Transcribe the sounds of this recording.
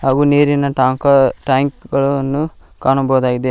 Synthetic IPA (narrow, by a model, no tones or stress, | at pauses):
haːɡuːneːɾinɐʈaːkɐʈaːŋkɡɐɭunːu | kaːnɐbɐɦud̪aːɡid̪e